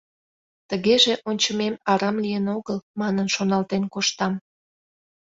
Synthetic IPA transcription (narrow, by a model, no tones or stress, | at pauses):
t̪əɣeʒeʔonʲt͡ɕəmemɑɾɑmlijənoɣəlmɑnənʃonɑlt̪enkoʃt̪ɑm